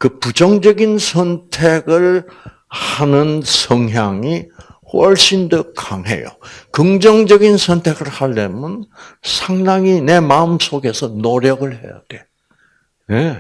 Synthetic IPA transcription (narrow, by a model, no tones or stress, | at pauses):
kɯpud͡ʑʌŋd͡ʑʌɡinsʰʌntʰeɡɯɭ | hanɯnsʰʌŋɦjaŋi | ɸwʌɭɕ͈ʰindokaŋɦe̞̰jo̰kɯŋd͡ʑʌŋd͡ʑʌɡinsʰʌntʰe̞ɡɯɭhaɭːḛmʌnsʰaŋdaŋine̞maɯmsʰoɡe̞sʰʌnoɾjʌɡɯɭhe̞̰ja̰d̥e̞ | ne